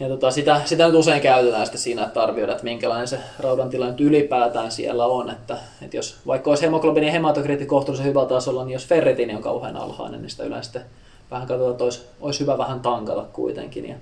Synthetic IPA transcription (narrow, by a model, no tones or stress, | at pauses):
jɑt̪uot̪ɑsit̪æsit̪ænyt̪useiŋkæyt̪æt̪æːsi̥t̪esiːnæet̪t̪ɑrʋioidɑet̪miŋkælɑinenserɑudɑnt̪ilɑnyt̪ylipæːt̪æːnsḭḛlːæonet̪ːæ | et̪josʋɑikːɑoishemoklopinihemɑt̪okrit̪ːikoht̪ulisehyʋæt̪ɑsolːɑnniːjosferːet̪inioŋkɑ̰uhḛnɑ̰lhɑ̰inḛnnḭsi̥t̪æylḛ̃ˑnst̪ːe | ʋæhæŋkɑt̪ot̪ɑet̪ːois | oishyʋæʋæhænt̪ɑŋkɑt̪ɑkkṵit̪ḛŋkḭnjɑ̰